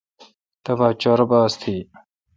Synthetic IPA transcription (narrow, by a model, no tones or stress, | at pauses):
t̪ɐvaːt͡ʃaːɾɐbaːst̪ʰiː